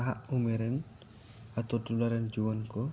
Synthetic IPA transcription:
ɦa̰ʔumɛɾɛn | at̪ɔtulaɾɛnd͡ʒuwɔnkɔ

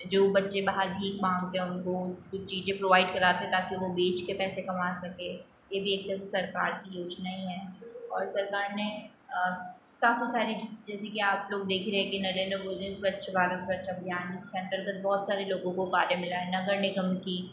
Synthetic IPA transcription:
d͡ʒoːbɐtːʃebaːɦəɾbʱiːkmãːŋɡ̚t̪eɦʊnkokʊt͡ʃʰt͡ʃiːd͡ʒẽpɾoːʋaːɪɖkɐɾaːt̪eɦɛ̃t̪aːkiʋobiːt͡ʃkepɛːsekɐmaːsɐkeː | jebʱieːk̚pɛːs̬esɐɾkaːɾkijoːd͡ʒnaɦĩɦɛːɔːɾsɐɾkaːɾne | ə | kaːfisaːɾid͡ʒɪd͡ʒɛːsekiaːploːɡ̚d̪eːkʰɾɛɦɛ̃kinɐɾẽːnd̪ɾəbʊd͡ʒeʊsbɐtːʃʋaːɾɪsbɐtːʃɐbʱjaːnd͡ʒɪskeɐ̃nt̪əɾɡət̪̚bɔːt̪saːɾeloːɡõkobaːɾemɪlaɦɛnɐɡəɾnɪɡəmki

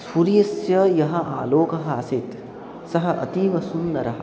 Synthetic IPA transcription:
suɾijɐsjɐjɐɦɐ̆a̰ːloːkɐɦɐaːsit̪ | sɐɦɐʔɐ̰t̪iːʋɐsunːɐɾɐɦɐ̆

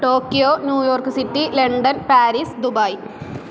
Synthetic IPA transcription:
ʈoːkːijoːnjuːjo̞ːrkɨsitːileɳɖɐnpaːɾisd̪ubɐj

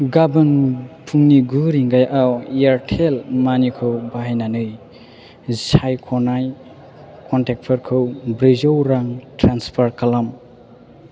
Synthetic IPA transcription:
ɡabɯnpʰuŋniɡuɾiŋɡajʔawijaɾtʰelmanikʰɯwbaajnanɯj | sajkʰɔnaj | kʰɔntek̚pʰɔɾkʰɯwbɾezowɾaŋtɾanspʰaɾkalam

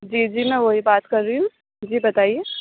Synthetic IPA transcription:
d͡ʒiːd͡ʒiːmɛ̃ʋoɦibaːt̪kɐɾːiũ | d͡ʒiːbɐt̪aːieː

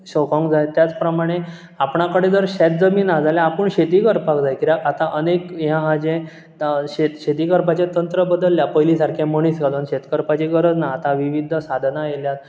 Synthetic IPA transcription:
ɕɔkɔ̃ŋɡd͡zaet̪jat͡spɾəmaɽ̃e | apɳakəɽed͡zəɾɕɛt̪̚d͡zəmiːnad͡zaljaːpəɳɕet̪iːkəɾpakd͡zajkiɾjakat̪aʔənekɦjãɦad͡ʑẽ | ɕet̪ɕet̪iːkəɾpat͡ɕẽt̪ənt̪ɾəbəd̪əlːjapəjlisaɾkʰjãməɽ̃iːsɡalunɕet̪kəɾpat͡ɕiɡəɾəd͡znaːt̪aʋiʋid̪ʱəsad̪ʱnajeljat̪̚

